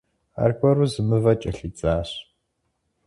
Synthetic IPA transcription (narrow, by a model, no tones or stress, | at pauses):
a̰ːrkʷʼɔɾuzɨmɨvɐt͡ʃʼɐɬit͡sʼaːɕ